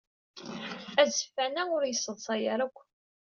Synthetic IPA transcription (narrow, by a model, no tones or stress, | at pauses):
æzəfːænæʊɾjəsːəðˤsˤɑjəɾækʷː